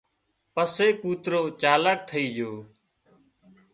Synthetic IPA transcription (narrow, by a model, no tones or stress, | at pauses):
pəseːpuːt̪ɾoːt͡ʃaːlək̚t̪ʰəiːd͡ʒoː